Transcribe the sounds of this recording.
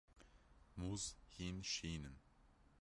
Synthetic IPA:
muzhinʃinən

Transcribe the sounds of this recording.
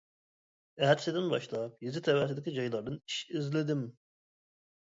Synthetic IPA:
ɛɦɛd̪sɪd̪ɪnbɑ̰ʃlˠɑp̚jezɪt̪ʰɛwæt̪ɪd̪ɪkʲid͡ʒɑjlˠɑɾd̪ɨniʃizlɪd̪ɪm

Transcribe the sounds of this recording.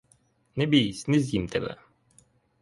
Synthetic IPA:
nɛbʲijisʲnɛzʲjimt̪ʰɛbɛ̰

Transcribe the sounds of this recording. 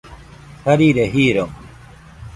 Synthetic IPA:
hɐɾiːɾeɦiːɾo

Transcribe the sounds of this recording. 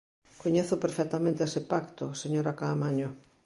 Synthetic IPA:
koɲeθʊpeɾfɛk̚t̪amẽnt̪eesepakt̪ʊseɲoɾakaːmaɲo

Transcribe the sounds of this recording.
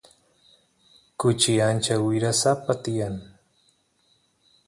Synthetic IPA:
kʊt͡ʃɪant͡ʃawɪɾasapat̪ɪjaŋ

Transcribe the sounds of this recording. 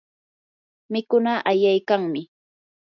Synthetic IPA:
mɪkʊnaʔajajkaŋmɪ

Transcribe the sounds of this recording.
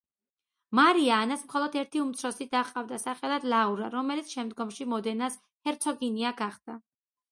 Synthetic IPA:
maɾiaːnasmχɔlˠɔd̪ɛɾt̪ʰiumt̪sʰɾɔsid̪aqʼavd̪asaχɛlˠad̪lˠauɾaɾɔmɛlit̪sʰʃɛmd̪ɡɔmʃimɔd̪ɛnas | hɛɾt̪sʰɔɡiniaɡaχd̪̥a

